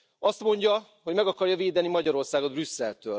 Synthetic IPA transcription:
ɒst̪mo̞ɲɟɒ | ɦoɟmɛɡɒkɒrjɒveːd̪ɛnimɒɟɒɾo̞rsaːɡo̞d̪brysːɛlt̪øːl

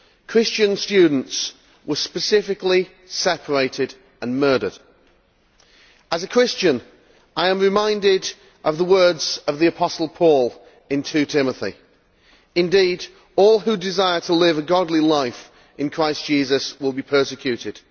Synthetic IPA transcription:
kʰɹ̥ɪst͡ʃɨ̃nstʉdⁿn̩ts | wə˞spɨsɪfɨkli | sɛpʰə˞eɪɾɪd | ə̃nmɜ˞ɾə̰˞d̥ | əzəkʰɹ̥ɪst͡ʃɨ̃n | ʔaɪə̃mɹɪmãɪ̃ndɪd | ʔʌvðəwɜ˞dz̥ʌvðiəpʰɒsl̩ˠpʰɔlˠ | ɪ̃ntʰʉtʰɪməθḭ | ɨ̃ndid | ɔlˠɦʉdɪzaɪə˞tʰəlɪvəɡɑdˡlilaɪf | ɪ̃nkʰɹ̥aɪsd̥ʒ̥izəswɪlˠbipʰɜ˞sɨkʰj̥ʉɾɪd̥

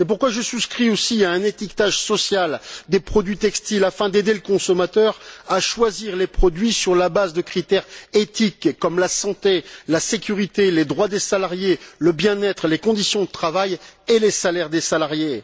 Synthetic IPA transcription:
sepuʁkwaʒəsuskχiosiaɛ̃net̪ikt̪aʒsɔsjald̪epχɔd̪ɥit̪ɛkst̪ilafɛ̃d̪ed̪eləkɔ̃sɔmat̪œʁaʃwaziʁlepχɔd̪ɥisyʁlabazd̪əkχit̪ɛʁet̪ikːɔmlasɑ̃t̪elasekʲyʁit̪eled̪ʁwad̪esalaʁjeləbjɛ̃nɛt̪χlekɔ̃d̪isjɔ̃d̪ət̪χavajelesalɛʁd̪esalaʁje

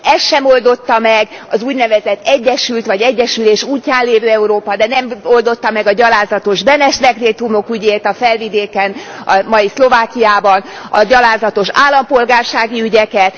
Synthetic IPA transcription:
ɛsʃɛmo̞ld̪o̞t̪ːɒmɛɡɒzuːɟnɛvɛzɛt̪ːɛɟːɛʃylt̪ʋɒɟɛɟːɛʃyleːʃuːcːaːnleːvøːɛuɾoːpɒd̪ɛnɛmo̞ld̪o̞t̪ːɒmɛɡɒɟɒlaːzɒt̪o̞ʒbɛnɛʃd̪ɛɡreːt̪umo̞kyɟeːt̪ɒfɛlvid̪eːkɛnɒmɒjislo̞vaːkijaːbɒnɒ̰ɟɒlaːzɒt̪o̞ʃaːlːɒmpo̞lɡaːrʃaːɡiyɟɛkɛt̪

